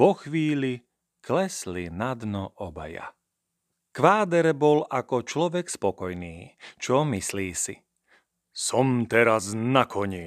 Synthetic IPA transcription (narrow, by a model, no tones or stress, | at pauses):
ɔxʋiːli | klɛslinad̪nɔʔɔba̰ja̰ | kʋaːd̪ɛɾbɔlakɔt͡ʃlɔʋɛkspɔkɔjniːt͡ʃɔmisliːsi | sɔmt̪ɛɾaznakʰɔɲi